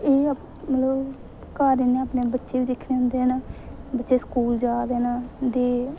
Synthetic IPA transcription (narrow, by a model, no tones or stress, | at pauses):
eː | mələb | kaːɾeːneːaːpneːbətːʃeːʋiːd̪ɪkʰneːɦʊ̃nd̪eːɦɛnaːbətːʃeːskuːld͡ʒaːd̪eːnaːd̪eː